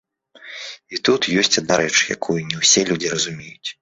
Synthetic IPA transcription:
it̪ut̪jɔsʲt͡sʲad̪naɾɛt͡ʂja̰kʰujunʲɛwsʲɛlʲud͡zʲirɐzumʲejut͡sʲ

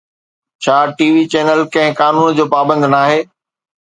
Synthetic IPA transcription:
t͡ɕʰaːʈiːʋit͡ɕeːnəlkɐ̃ɦɪ̃kaːnuːnd͡ʑoːpaːbə̃nd̪naːɦeː

